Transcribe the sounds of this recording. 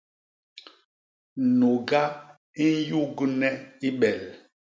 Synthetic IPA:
no˨ɡa˦ | i˦n˦ju˦ɡu˦nɛ˦i˦ɓɛ˨l

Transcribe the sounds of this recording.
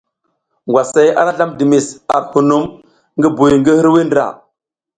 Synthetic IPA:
ŋɡʷwa˨sa˦ja̰˦ɾa˦ɬa˦mdi˨mi˨sa̰˨ɾhu˨nu˦m | ŋɡi˦bu˨jŋɡi˦hi˦ɾwi˦ndɾa̰˨

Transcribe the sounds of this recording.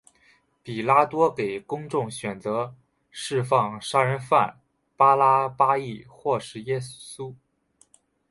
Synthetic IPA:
pi˨˩la˥t̪wɔ˥ke˨˩ɪkʊ˥ŋʈ͡ʂʊ˥˩ŋɕɥɛ˨˩nt͡sɤ˧˥ | ʂɻ̩˥˧fɑ˥˩ŋʂa˥ɻə˧˥nfa̰˥˩n | pa˥la˥pa˥i˥˩xwɔ˥˩ʂɻ̩˧˥jɛ˥su˥

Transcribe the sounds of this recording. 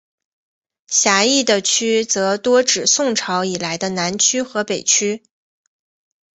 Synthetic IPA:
ɕja˧˥i˥˩d̪ə˩t͡ɕʰy˥t͡sɤ˧˥t̪wɔ˥ʈ͡ʂɻ̩˨˩sʊ˥˩ŋʈ͡ʂʰɑ˧˥ʊi˨˩la˧˥ɪd̪ə˧na˧˥nt͡ɕʰy˥xɤ˧˥pe˨˩ɪt͡ɕʰy˥

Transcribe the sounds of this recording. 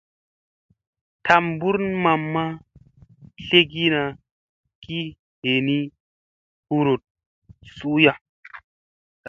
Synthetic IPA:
tʰa˨mbu˦ɾnma˨mːa˦ | ɬe˦ɡi˦na˨ | ki˦ | he˨ni˦ | hu˦ɾo˨t̚ | su˦ja˦

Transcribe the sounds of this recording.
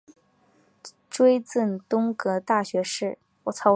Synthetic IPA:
ʈ͡ʂwe˥ɪt͡sə˥˩nt̪ʊ˥ŋkɤ˧˥t̪a˥˩ɕɥɛ˧˥ʂɻ̩˥˩ | wɔ˨˩t͡sʰɑ˥ʊ

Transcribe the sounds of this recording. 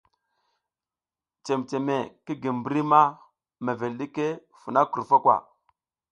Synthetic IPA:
t͡ʃe˨mt͡ʃe˨me˨ki˦ɡi˨m˨bɾi˦ma˦ | me˨ve˨lɗi˦ke˦ | fu˨na˦ku˨ɾfa˦kʷwa̰˨

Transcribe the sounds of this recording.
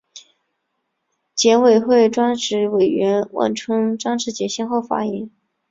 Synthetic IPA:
t͡ɕjɛ˧˥nwe˨˩ɪxwe˥˩ɪʈ͡ʂwa˥nʂɻ̩˧˥we˨˩ɪɥɛ˧˥nwa̰˥˩nʈ͡ʂʰwɤ˥ŋʈ͡ʂwa˥nʈ͡ʂʰɻ̩˧˥t͡ɕjɛ˧˥ɕi˥nxo˥˩ʊfa̰˥jɛ˧˥ŋ

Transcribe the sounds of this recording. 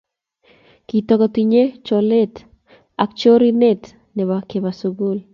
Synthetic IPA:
kit̪ɔkɔt̪iɲe˦t͡ʃɔle˦t | a˨k̚t͡ʃo˦ɾi˦ne˦t | nɛ˨bake˨ba˨suɡu˦l

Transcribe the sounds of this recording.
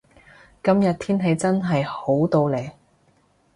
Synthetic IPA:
kɐ˥mjɐ˨t̚t̪ʰiː˥nɦe˨˧˥jt͡sɐ˥nɦɐ˨jho˨˥wt̪o˧wleː˨˩j

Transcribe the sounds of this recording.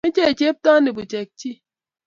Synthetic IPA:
e˦t͡ʃe˦e˨t͡ʃe˦p̚ta˦ne˨bu˨t͡ʃe˨k̚t͡ʃi˦

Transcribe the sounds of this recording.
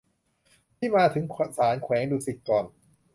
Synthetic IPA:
t̪ʰiː˥˩maː˧t̪ʰɯ˩˦ŋsaː˩˦nkʰwɛː˩˦ŋduː˧si˨˩t̪̚kɔː˨˩n

